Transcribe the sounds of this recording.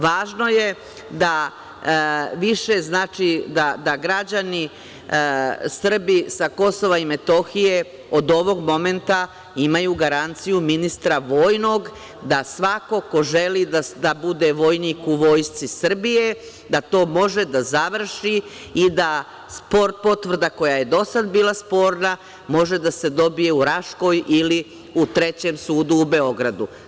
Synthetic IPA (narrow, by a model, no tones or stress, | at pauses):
ʋaːʒno̞je̞ | d̪a | ʋiʃe̞znaːt͡ʃid̪ad̪aɡɾad͡ʑani | sr̩bisako̞so̞ʋaime̞t̪o̞xije̞ | o̞d̪o̞ʋo̞ɡmo̞me̞nt̪a | imajuɡaɾant̪sijuminist̪ɾaʋo̞ːjno̞ɡ | d̪asʋako̞ko̞ʒe̞lid̪ad̪abud̪e̞ʋo̞jniːkuʋo̞ːjst̪sisr̩bije̞ | d̪at̪o̞ːmo̞ʒe̞d̪azaʋr̩ʃi | id̪a | spo̞ɾt̪̚po̞t̪ʋr̩d̪ako̞jaje̞d̪o̞sad̪biːlˠaspo̞ːɾna | mo̞ʒe̞d̪ase̞d̪o̞bije̞uɾaʃko̞jili | ut̪ɾe̞t͡ɕe̞msuːd̪uːbe̞o̞ɡɾad̪u